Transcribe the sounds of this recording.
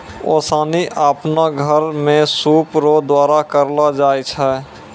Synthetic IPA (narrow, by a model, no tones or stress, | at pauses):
oːsaːniʔapnaɡʱəɾmẽsuːpɾoːd̪waːɾakəɾlad͡ʒaːjt͡ʃʰɛ